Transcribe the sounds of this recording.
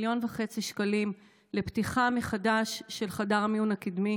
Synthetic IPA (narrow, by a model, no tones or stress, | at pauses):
ljo̞nveχet͡siʃkalim | leptiχameχadaʃːe̞lχadaʁmiunakid̪mi